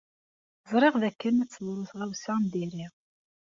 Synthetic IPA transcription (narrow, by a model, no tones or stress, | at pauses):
zˤɾˤeʁðækːənæt͡sːəðˤɾˤoθʁæwsamd̪iɾiʁ